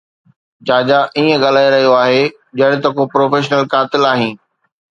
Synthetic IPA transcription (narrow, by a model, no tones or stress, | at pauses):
d͡ʑaːd͡ʑaʔiːə̃ɠɐl̤aːeɾɐɦijoaːɦe | d͡ʑɐɽ̃ɪt̪ɐkopɾoːfeːʃnəlkaːt̪ɪlaːɦĩː